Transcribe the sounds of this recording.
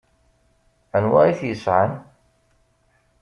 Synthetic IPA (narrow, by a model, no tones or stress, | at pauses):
ænwa̰ɾiθjəsʕən